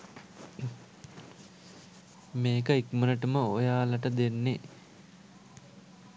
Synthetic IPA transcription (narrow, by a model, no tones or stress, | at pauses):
meːkəikmənəʈəməojaːlɐʈəd̪enːe